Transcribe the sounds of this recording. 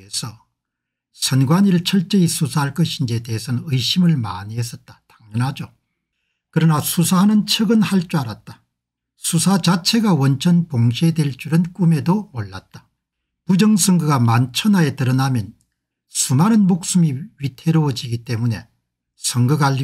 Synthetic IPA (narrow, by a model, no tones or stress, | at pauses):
esʰʌ | sʰʌnɡwaɲiɾɯɭt͡ɕʰʌɭt͡ɕ͈eisʰusʰaɦaɭk͈ʌɕʰind͡ʑiete̞ɦesʰʌnnɯiɕʰimɯɭma̰ɲiɦes͈ʌt̚t͈ḁtaŋɲʌnɦad͡ʑo | kɯɾʌnasʰusʰaɦanɯnt͡ɕʰʌɡɯnhaɭt͡ɕ͈uaɾat̚t͈ḁ | sʰusʰat͡ɕat͡ɕʰe̞ɡawʌnt͡ɕʰʌnpoŋɕʰe̞dwe̞ɭt͡ɕ͈uɾɯnk͈ume̞domoɭːat̚t͈ḁ | pud͡ʑʌŋsʰʌŋɡɯɡamant͡ɕʰʌnae̞tɯɾʌnamjʌn | sʰumaɾɯnmok̚s͈ɯmiɥitʰe̞ɾowʌd͡ʑiɡit͈e̞mune̞ | sʰʌŋɡɯɡaʎːi